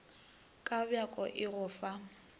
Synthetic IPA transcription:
kʼabjakʼɔʔɪɣʊːfa

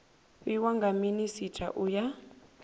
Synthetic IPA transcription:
iwaŋɡaminisitʰʼa̰ʔuja

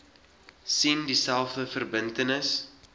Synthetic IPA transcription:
sindisælˠfdəfərbəntənəs

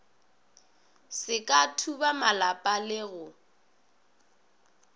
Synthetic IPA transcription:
sɪkʼatʰubamalapʼalɪɣʊ

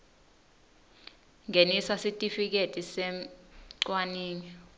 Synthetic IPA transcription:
ŋʱenisasitʼifik̬etʼisɛmǀwaniːɲi

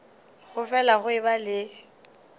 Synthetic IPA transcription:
ɣʊfɛlaχʊɪbalɪ

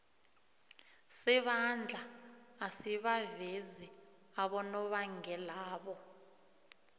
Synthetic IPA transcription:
sɛɓand͡ɮʱaːsiɓavezi | aɓɔnɔɓaŋɛlaːɓɔ

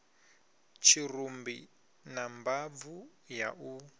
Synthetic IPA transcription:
t͡ʃʰirumbḭ | nambavu | ja̰ʔu

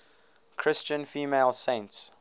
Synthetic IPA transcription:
kʰɹ̥ɪst͡ʃə̃nfiːmeɪlˠsẽnts

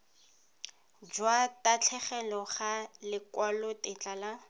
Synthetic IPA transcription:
d͡ʒwatat͡ɬʰɛχɛlɔχalɪkwalɔtɪt͡ɬʼala

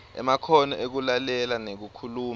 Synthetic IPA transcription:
ɛ̰makʰɔnɔʔek̬ulalɛlanek̬ukʰuluːm

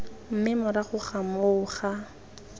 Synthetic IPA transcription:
m̩mɪmʊɾaχʊχamʊːχa

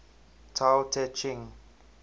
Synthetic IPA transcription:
tʰaltʰɛt͡ʃĩŋ

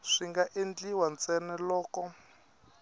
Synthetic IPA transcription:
ʂiŋɡaʔend͡ɮiwant͡sɛnɛlɔːkɔ

